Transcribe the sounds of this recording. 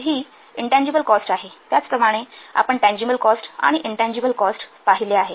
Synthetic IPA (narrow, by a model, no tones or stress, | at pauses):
ɦiː | iɳʈæ̃ɲd͡ʑibəlkɔsʈaɦet̪jat͡spɾəmaɽ̃ea̰pəɳʈæ̃ɲd͡ʑibəlkɔsʈa̰ɽ̃iʔiɳʈæ̃ɲd͡ʑibəlkɔsʈpaɦileaɦe